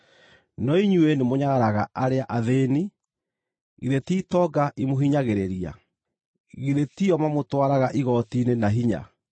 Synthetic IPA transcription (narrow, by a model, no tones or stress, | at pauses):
nɔiɲuenemoɲaɣaɾaɣaʔaɾeaʔaðeni | ɣiðetiːtɔɡaʔimoɦiɲaɣeɾeɾia̰ | ɣiðetiɔmamotwaɾaɣaʔiɣɔtiːnenaɦiɲa̰